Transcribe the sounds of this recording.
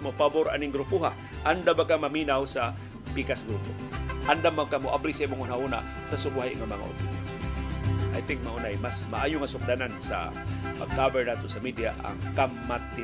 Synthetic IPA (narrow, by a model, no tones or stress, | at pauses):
mopaboɾʔa̰nɪŋɡɾupuɦa | ʔand̪abakamaminawsa | pikasɡɾupo̰ | ʔand̪amakamoʔablisimoŋunahuna̰ | sasʊbuaɦɪʔŋamaŋa̰ʔʊ̰t̪ʊɾi | ʔa̰jt̪ɪ̃ŋk̚maʔunajmasma̰ʔaːjʊŋasʊk̚d̪anansa̰ | akabɛɹnat̪osamid̪iaʔa̰ŋkamːat̪ːɪ